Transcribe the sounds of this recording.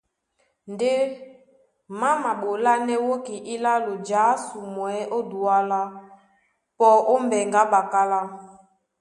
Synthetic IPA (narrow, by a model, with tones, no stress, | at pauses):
nde˦ | ma˦ma˨ɓo˨la˦nɛ˦wo˦ki˨ʔi˦la˦lo˨d͡ʒaː˨˦su˨mwɛ˨˦ʔo˦du˨a˦la˦ | pɔ˨ʔo˦mbɛ˨ŋɡa˦ɓa˨ka˦la˦